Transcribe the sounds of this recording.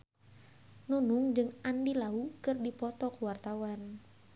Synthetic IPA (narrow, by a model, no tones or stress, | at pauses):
nunʊŋd͡ʒɨŋandilaukɨrdipɔt̪ɔkuwart̪awan